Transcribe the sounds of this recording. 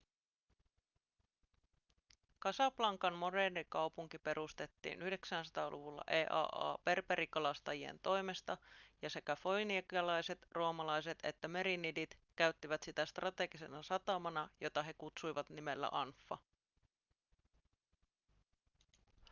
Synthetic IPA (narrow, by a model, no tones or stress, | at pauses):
kɑsɑplɑŋkɑnmo̞deːnikɑwpuŋkipe̞ɾust̪e̞t̪ːḭːnʔyhde̞ksænsɑ̥t̪ɑːlʔuʋulːɑ̰ʔeːʔɑ̰ːʔɑ̰ːpe̞rpeɾʔikɑlɑst̪ɑjie̞̰nt̪o̞jme̞st̪ɑjɑse̞kæfo̞jnikɑlɑjse̞t̪roːmɑlɑjse̞t̪e̞̰t̪ːæme̞ɾinidit̪kæɥt̪ːiʋæt̪sit̪æst̪rʔɑt̪e̞ɡise̞nɑsɑt̪ɑmɑnɑjo̞t̪ɑɦe̞kut̪sujʋɑt̪nime̞lːæ̰ʔɑnfːɑ